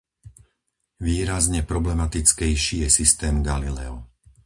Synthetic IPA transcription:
ʋiːɾazɲɛpɾɔblɛmat̪it͡skɛjʃiːjɛsist̪ɛːmɡalilɛɔ

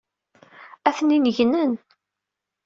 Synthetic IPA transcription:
æθninəʝnən

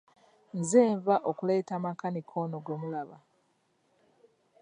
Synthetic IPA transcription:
nzeːɱvaʔokule̞ːtamakanikʰoːnoɡomulaβa̰

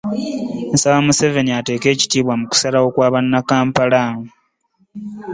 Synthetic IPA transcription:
nsawamuse̞ve̞niate̞ːke̞ːci̥tiːβwamuku̥salao̞kwaːβanːakaːmpalaːŋu

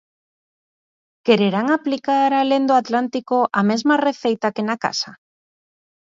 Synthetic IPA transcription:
keɾeɾaŋaplikaɾalend̪oat̪lant̪ikoʔamezmareθejt̪akenaka̰sa

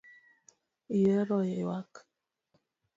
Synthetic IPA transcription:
ijɛɾɔjɛwak

